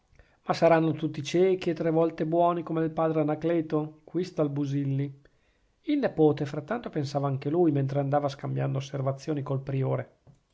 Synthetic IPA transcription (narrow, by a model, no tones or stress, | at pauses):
masaɾanːot̪ut̪ːit͡ʃɛːkiet̪ːɾevɔlt̪ebwɔːnikomelpaːd̪ɾeanaklɛːt̪okwist̪albuzilːi | ilnepoːt̪efɾat̪ːant̪opensaːvaaŋkelujment̪ɾeand̪aːvaskambjand̪oːsːervat̪sːjoːnikolpɾioːɾe